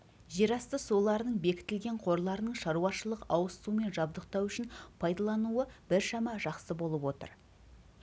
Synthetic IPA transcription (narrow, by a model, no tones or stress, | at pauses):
ʒe̞ɾɑst̪əso̞lˠɑɾənəɴbe̞kʲɪ̥t̪ɪlɡʲe̞ɴqʰo̞ɾlˠɑɾənəɴʃɑɾuɑʃəlˠəqɑwəst̪ume̞nʒɑbd̪əqt̪ɑwʏʃɪnpʰɑjd̪ɑlˠɑnuəbɪɾʃɑmɑʒɑqsəbo̞lˠəpwo̞t̪ə̰ɾ